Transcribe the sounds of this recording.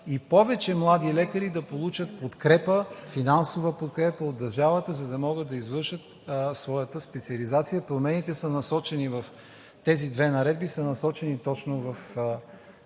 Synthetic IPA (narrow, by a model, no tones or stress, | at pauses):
ipɔvɛt͡ʃɛmlˠad̪ilɛkəɾid̪ɐpolˠut͡ʃət̪̚pot̪kɾɛpəfinansovəpot̪̚kɾɛpəod̪ːɐɾʒavət̪əzɐd̪ɐmɔɡəd̪̚d̪ɐizvɤɾʃət̪ | svɔjət̪əspɛt̪siəlizat̪sijəpɾomɛnit̪ɛsənɐsɔt͡ʃɛnivɐf | t̪ɛzid̪vɛnɐɾɛd̪bisənɐsɔt͡ʃɛnit̪ɔt͡ʃnovɐf